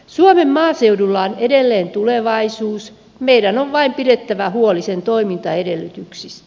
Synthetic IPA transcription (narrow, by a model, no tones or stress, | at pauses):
suomemmɑːseudulːɑonedelːeːnt̪uleʋɑisuːs | meidænoʋʋɑimpiɾet̪ːæʋæhuolisent̪oimint̪ɑedelːyt̪yksist̪